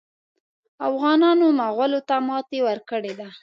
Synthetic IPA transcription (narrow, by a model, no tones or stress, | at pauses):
afɣɑnɑnomaɣwalot̪amɑt̪ewəɾkəɽed̪a